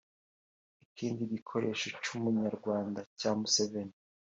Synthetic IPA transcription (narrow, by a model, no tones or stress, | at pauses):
ikiːndiɟikʰo̞ɾe̞ːʃocumuɲaɾɡwaːndacaːmuseveni